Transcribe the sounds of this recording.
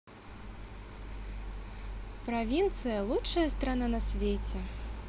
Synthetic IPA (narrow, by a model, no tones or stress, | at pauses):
pɾavʲint̪sɨjɐlˠutʂɐjɐst̪ɾananɐsʲvʲet͡sʲɛ